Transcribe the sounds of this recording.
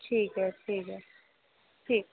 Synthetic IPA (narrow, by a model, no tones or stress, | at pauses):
ʈʰiːkɦɛtʰiːkɛ | tʰiːk̚